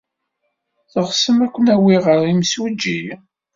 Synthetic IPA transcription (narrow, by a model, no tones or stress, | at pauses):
θəʁsəmækʷːənæwiʁəɾˤimswid͡ʒːi